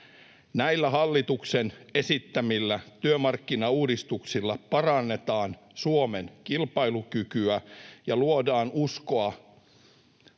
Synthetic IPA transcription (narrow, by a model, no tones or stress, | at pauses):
næilːæɦɑlːit̪ukse̞ne̞sit̪ːæmilːæt̪yømɑrkːinɑuːdist̪uksilːɑpɑrɑnːe̞t̪ɑːn | suomenkilpɑilukykyæjɑluodɑːnuskoɑ